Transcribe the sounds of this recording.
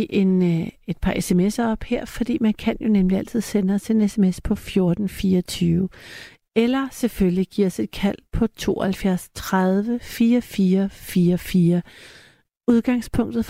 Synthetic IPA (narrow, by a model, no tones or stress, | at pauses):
iʔe̝ne̝d̥̚pʰɑ̈ʔesemesɐɒ̽b̥heɐ̰fɒ̽d̥ḭːmænkʰænjo̝nemliæl̰t͡sʰið̞̰ˠsenəɐse̝nesemespʰɒ̽fjo̝ɐd̥n̩fiːɐt͡sʰyːʊ | elɐseføljiɡ̥iɐ̰se̝d̥̚kʰæl̰pʰɒ̽t͡sʰo̝̰ːhælfjæɐ̰st͡sʰʁaðˠʋəfiːɐfiːɐfiːɐfiːɐ | uðˠɡ̥ɑ̈ŋspʰɔ̽ŋ̰d̥ð̩ˠ